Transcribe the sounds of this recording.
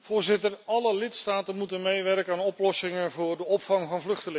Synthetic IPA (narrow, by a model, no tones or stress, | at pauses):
v̥ʊːɹzɪtərɑləlɪtstaːtənmutənmejʋɛrkəaːnɔplɔsɪŋənvʊːɹdəɔpfɑŋvɑnvlɵχtəlɪŋ